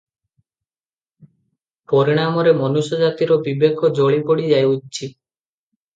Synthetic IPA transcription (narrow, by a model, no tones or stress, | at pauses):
pɔɾiɽ̃amɔɾemɔnusɔd͡ʒat̪iɾɔbibekɔd͡ʒoɭipɔɽid͡ʒajut͡ʃʰi